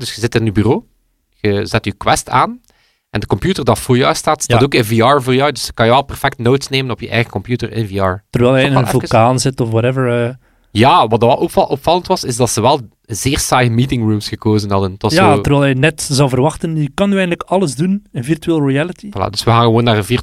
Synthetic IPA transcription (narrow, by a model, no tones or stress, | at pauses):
dɵsxəzɪtɪnybyroː | ɣəzɛtykwɛstaːn | ʔɛndəkɔmpjutərdɑtfʊːɹjœːstaːtstaːtoːkənviɑːɹvoːrjɔwdɵsə̥kɑnjəʋɛlˠpɛrfɛk̚tnoːtsneːmənɔpjəʔɛ̰jɣəkɔmpjutərɪ̰nviːɑːɹt̪ərʋɛːlˠɦɛjɪnənvylˠkaːnzɪtɔfwɑɾɛvəɹ | jaːʋɑt̚dɑlʔɔpfɑləntʋɑsɪzdɑtsəʋɛlˠ | zɪːrsajmiːtɪŋrumsxəkoːzənɦɑdəntʋɑsjatərʋɛːlɛjnɛtzɑwvərʋɑxtənəkɑnyɛjɣndləkɑləzdunənvirtyeːlˠriɛlitila̰dɵsʋəɣaːnɣəʋoːnːaːrənvir